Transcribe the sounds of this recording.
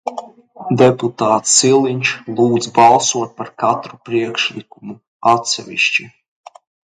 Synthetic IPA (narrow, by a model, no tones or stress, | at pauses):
d̪eput̪aːt̪silˠiɲt͡ʃlˠuːd̪zbɑlˠsuɔt̪̚paɾkat̪ɾupɾiɛkʃlikumu | at̪sɛʋʲḭʃt͡ʃi